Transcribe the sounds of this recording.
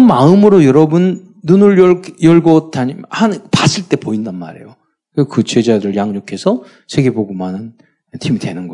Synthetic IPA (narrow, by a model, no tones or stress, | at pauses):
nmaɯmɯɾojʌɾʌbɯnː | unɯɭjʌɭjʌɭɡʌtʰaɲimʌhanɯpas͈ʰɯɭt͈e̞poindanmaɾe̞̰jo | keskɯt͡ɕwe̞d͡ʑadɯɭjaŋɲokʰe̞sʰʌ | sʰeɡe̞boɡomanɯn | tʰimidwe̞nɯnɡʌ